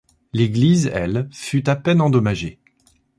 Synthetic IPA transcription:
leɡlizɛ̰lfyt̪apɛnɑ̃d̪ɔmaʒe

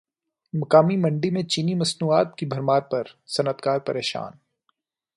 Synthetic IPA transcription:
mɐkaːmimɐ̃ɳɖimẽt͡ʃiːnimɐsnuːaːt̪̚kibʱɐɾmaːɾpɐɾsɐnət̪kaːɾpɐɾeːʃa̰ːn

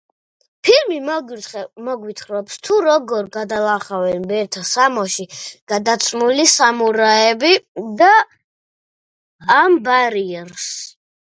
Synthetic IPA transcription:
pʰilmi | mɔɡwit̪ʰχɾɔpst̪ʰuɾɔɡɔɾɡad̪alˠaχavɛnbɛɾt̪ʰasamɔʃiɡ̥ad̪at̪sʰmulisamuɾaɛbid̪a | mbaɾiɛɾs

